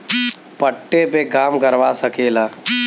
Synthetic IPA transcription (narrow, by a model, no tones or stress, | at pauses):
pəʈːepeɡaːmkɐɾʋasəkeːlaː